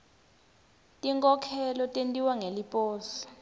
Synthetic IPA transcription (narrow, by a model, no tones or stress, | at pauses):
tʼiŋkʼɔkʰɛlɔtʼentʼiwaŋelipʼɔːsɔ̥